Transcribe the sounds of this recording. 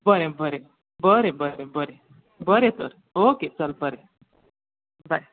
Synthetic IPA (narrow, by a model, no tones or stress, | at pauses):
bʌɾebəɾe | bəɾebəɾebəɾe | bəɾet̪əɾ | oket͡səlbəɾe | baj